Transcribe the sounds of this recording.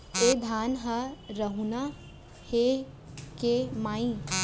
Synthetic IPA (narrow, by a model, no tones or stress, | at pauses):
ed̪ʱaːnɦɐɾɐɦuna | he | kemaːĩ